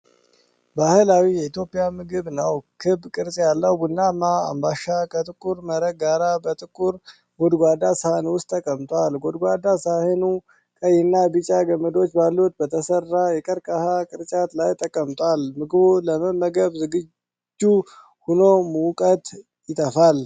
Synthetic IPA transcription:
bahɨlawijɛit̪ʰjo̞pʼijamɨɡɨβnəwkʰɨbkʼɨɾt͡ʃʼjalːəwbunːamːaa̰mbaʃakʰət̪ʼɨkʼːuɾməɾəɡaɾabət̪ʼɨkʼːuɾ | ɡo̞d̪ɡʷad̪asəhanwʊst̪ʼːʰəkʼəmt̪ʼʷalɡod̪ɡʷad̪asahɨnu | kʼəjɛnːabɨt͡ʃʼaɡəmːəd̪o̞t͡ʃːbalːut̪̚bət̪ʰəsərːajɛkʼəɾkʼahakʼɨɾt͡ʃʼat̪lajt̪ʰʼəkʼːəmt̪ʼwalmɨɡɨbuləməmːəɡəβzɨɡɨ | d͡ʒːu | huno̞mukʼət̪ʼ | jɪt̪ʰəfal

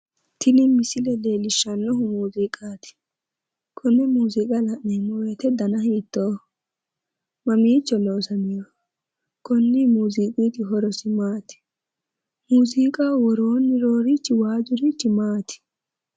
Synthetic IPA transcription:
t̪ʰɪnɪmɪsɪlɛleːlɪʃːɐnːɔɦʊmuːziːkʼaːt̪ɪ̥ | kʰɔnːɛmuːzikʼɐlɐʔnɛmɔjɛt̪ɛd̪ɐnɐhiːt̪ːoː | mɐmiːt͡ʃːɔloːsɐmɪjɔ | kʰɔnːimuːziːkʼit̪ɪɦɔɾɔsɪmaːt̪ɪ̥ | muːziːkʼaːwɔɾoːnːɪɾoːɾɪt͡ʃːɪwaːd͡ʒʊɾit͡ʃːɪmaːt̪ɪ̥

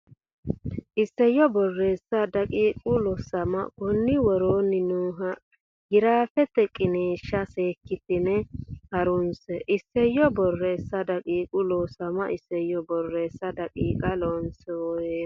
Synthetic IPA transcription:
ʔɪsːɛjːɔbɔrːeːsɐd̪ɐkʼiːkʼʊlɔsɐmɐ̰kɔnːɪwɔɾoːnɪnuːɦɐ | ɡɪɾaːfɛt̪ːɛkʼɪneːʃːɐseːkːɪt̪ɪnɛhɐɾʊnsɛʔɪsːɛjːɔbɔrːeːsːɐd̪ɐkʼiːkʼʊlɔsɐmɐʔɪsːɛjːɔbɔrːeːsːɐd̪ɐkʼiːkʼɐlɔnsɛɔ

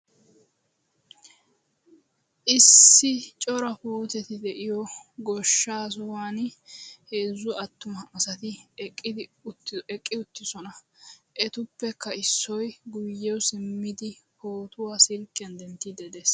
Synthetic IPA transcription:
ʔɪsːɪt͡ʃʼɔɾɐpuːt̪ɛt̪ɪd̪ɛʔɪjɔɡɔʃːaːs̬ʊwaːnheːzːʊɐt̪ːʊmɐʔːsɐt̪ɪɪd̪ɪɛkʼːɪʊt̪ːɪsɔnɐ | ʔɛt̪ʊpːɛkːɐɪsːɔjɡʊjːɛwsɪmːɪd̪ɪhoːt̪ʊwaːsɪlkʼːɪɐnd̪ɛnt̪ːid̪ɛd̪eːs

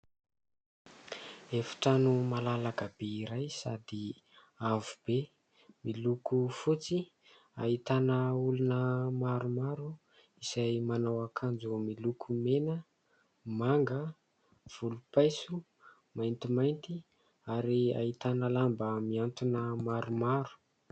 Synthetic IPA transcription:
efi̥ʈ͡ʂanumalalakəbeiɾajsa̰d̪i | avub̥e | milukufut͡si | ait̪anəulunəmaɾumaɾu | isajmanawakʰand͡zumilukʰumenə | maŋɡə | v̥ulupajsu | majnt̪imajnt̪i | aɾia̰it̪anəlambəmiant̪unəmaɾumaɾu̥

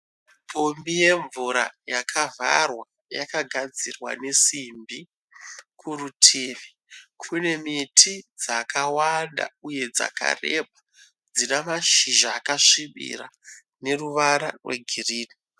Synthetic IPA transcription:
pʰombije̞ɱvuɾa̰jakʰavʱa̰rwa | jakaɡʱad͡zirwa̰ne̞simbi | kʰurutʰeːʋe | kʰune̞mitʰid͡zakawanda̰uje̞d͡za̰ka̰reba | d͡zinamaʃiʒaːkaʂiɓḭra | ne̞ruʋaɾarwḛɡʱiriːni

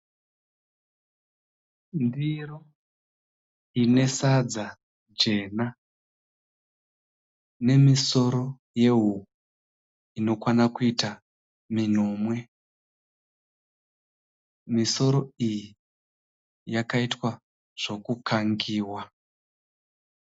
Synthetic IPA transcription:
ndiro | ine̞sad͡za | d͡ʒe̞ːna | ne̞miso̞ɾo̞ | je̞ɦu | ino̞kwanakuita | minoːmwe̞ | miso̞ɾo̞iji | jakaitwa | ʐ̥o̞kukʰaŋɡiːwa

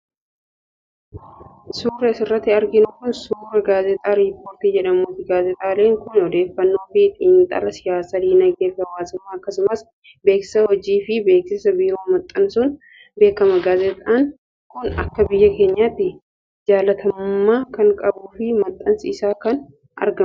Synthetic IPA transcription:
suːɾɛsɪrːɐt̪ːɪɐɾɡɪnʊkʊnsuːɾɐɡaːzɛt̪ʼaːɾiːpːoːɾt̪iːd͡ʒɛᶑɐmoːt̪ɪɡaːzɛt̪ʼaːle̞ːŋkʊnɔd̪e̞ːfːɐnːo̞ːfɪt̪ɪnt̪ʼɐ̰lɐsɪjaːsɐd̪iːnɐɡeːfɐwaːsɪmːaːɐkːɐsʊmɐs | be̞ːksɪ̥sɐhɔd͡ʒiːfɪbe̞ːksɪsɐbiːɾo̞ːmɐt̪ʼːɐnsʊn | be̞ːkɐmɐɡaːzɛt̪ʼan | kʊnɐ̰kːɐbɪjːɐke̞ːɲːaːt̪ːɪ | d͡ʒaːlɐt̪ʰɐmʊːaːkɐŋkʼɐbuːfɪmɐt̪ʼːɐnsɪːsaːkɐn | ʔɐ̰ɾɡɐm

